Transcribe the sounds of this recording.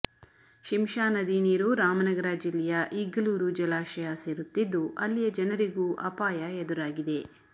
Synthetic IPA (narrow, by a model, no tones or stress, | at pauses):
ʃimʃaːnɐd̪iːniːɾuɾaːmɐnɐɡɐɾaːd͡ʒilːɛjɐʔiɡɐluːɾud͡ʒɐlaːʃɐjaseːɾut̪ːid̪ːuʔɐlːijɐd͡ʒɐnɐɾiɡuːʔɐpaːjɐed̪uɾaːɡid̪e̞